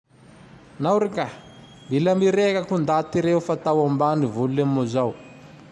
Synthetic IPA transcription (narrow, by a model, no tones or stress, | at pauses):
nawɾika | mbilamiɾekakund̪at̪iɾeufat̪awambanivululemuzaw